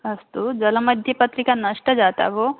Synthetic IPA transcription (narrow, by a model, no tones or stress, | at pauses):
ɐst̪ud͡ʒɐlɐmɐd̪ʱjɐpɐt̪ɾikanɐʂʈɐd͡ʒaːt̪a̰ʋo